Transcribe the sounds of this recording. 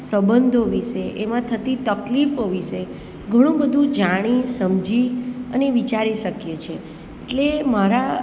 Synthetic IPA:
səbənd̪ʱoʋiʃeʔemãt̪ʰət̪it̪əklifoʋiʃe | ɡʱəɽ̃ũbəd̪ʱũd͡ʒaɽ̃isəmd͡ʒiəneʋit͡ʃaɾiʃəkjet͡ʃʰe | eʈlemaɾa

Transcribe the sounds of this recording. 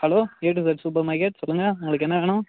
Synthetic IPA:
hɐloːeːʈ̬ːɪsɐʈsuːp̬ɐɾmɐɪkɐʈsɔlːɯŋɡɐʊŋɡɐɭɯkːɛnːɐʋeːɳʊ̃

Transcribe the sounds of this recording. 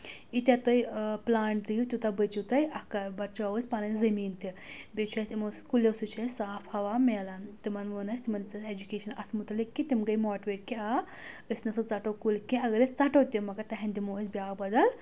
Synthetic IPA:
it̪ʲɐt̪ojplaːɳʈd̪ijut̪ʲut̪ɐbɐt͡ʃut̪ɐjɐkɐbɐɾt͡ʃaʋəsʲpaːnɐnzɐmiːnt̪ibʲet͡ʃʰuɐsʲimoskulesut͡ʃʰɐsaːfhɐʋaːmeːlɐnt̪imɐnʋunɐst̪imɐnisɐsed͡ʒukeːʃɐnɐt̪ʰmut̪ɐlikːit̪imɡɐjmɔːʈʋeʈkia | əsnɐsɐt͡sɐʈokulkĩɐɡɐɾist͡sɐʈot̪ʲimɐkɐt̪ɐɦɐnd̪imoːsʲbʲaːɡbɐd̪ɐl

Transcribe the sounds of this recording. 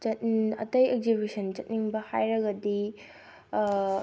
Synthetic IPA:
t͡ʃɐt̚ɐtɐjek̚zibisɐnt͡ʃɐt̚niŋbɐhajɾɐɡɐdi

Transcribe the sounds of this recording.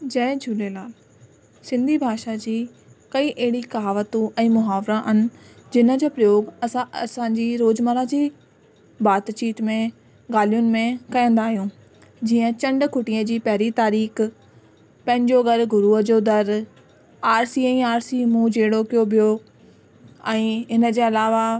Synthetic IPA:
d͡ʑɛ̃ːd͡ʑʱʊlelaːl | sɪ̃nd̪ʱibʱaːʃad͡ʑiː | kɐiʔeɦɪɽikaːʋət̪ũʔɛ̃ːmʊɦaːʋɾaʔɐnɪ̆ | d͡ʑɪnəd͡ʑoːpɾɐjoːɡɐsãsãɲd͡ʑiːɾoːd͡ʑməɾad͡ʑiː | baːd̪t͡ɕiːt̪mẽ | ɡaːlijʊnɪ̆mẽkɐjə̃nd̪aːɦijũː | d͡ʑiːə̃t͡ɕɐ̃ɳɖkʰʊʈiə̃d͡ʑiːpɐɦɾit̪aːɾiːx | pɐ̃ɦɪ̃ɲd͡ʑoɡɐɾɡʱʊɾuːɦəd͡ʑod̪ɐɾ | aːɾsiɛ̃ːaːɾsimũd͡ʑeːɽokijobijo | ɛ̃ːɪnə̆d͡ʑeːɐlaːʋa

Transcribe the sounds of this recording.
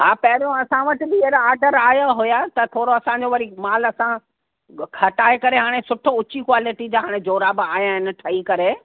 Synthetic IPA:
ɦaːpɐɦɪɾijõɐsãʋɐʈɪ̆bieɾaːɾɖəɾaːjaɦʊjat̪ɐt̪ʰoːɽoɐsãɲd͡ʑoʋɐɾimaːlɐsã | kʰɐʈaːekɐɾeɦaːɽ̃esʊʈʰʊt͡ɕikwaːlɪʈid͡ʑaːɦaːɽ̃ed͡ʑoːɾabaːijãɦɪnɪ̆ʈʰɐikɐɾe

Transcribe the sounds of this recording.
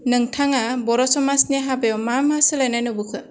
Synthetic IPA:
nɯŋtʰaŋabɔɾɔsɔmasnaɦabeɔmamasɯlajnajnɯbɯkʰɯ

